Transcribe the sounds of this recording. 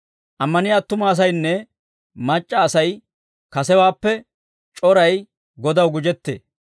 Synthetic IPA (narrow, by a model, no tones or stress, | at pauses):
ʔɐmːɐnɪjaːt̪ːʊmɐːs̬ɐjnːɛ | mɐt͡ʃʼːɐːsɐj | kɐsɛwaːpːɛ | t͡ʃʼɔɾɐj | ɡɔd̪ɐwɡʊd͡ʒɛt̪ːḛː